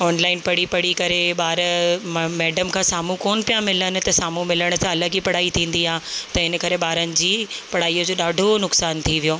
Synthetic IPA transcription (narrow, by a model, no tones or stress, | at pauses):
ɔːnlaːɪnpɐɽ̤ipɐɽ̤ikɐɾeɓaːɾ | mɛːɖəmkʰãːsaːmũkoːnpijãmɪlənɪ̆t̪ɐsaːmũmɪləɽ̃ʊt̪ʰãɐləɡipɐɽ̤aːit̪ʰĩːnd̪iɦãːt̪ɐɦɪnəkɐɾeɓaːɾənɪ̆d͡ʑiːpɐɽ̤aːiːəd͡ʑoːɗaːɖʱonʊksaːnt̪ʰiʋijoː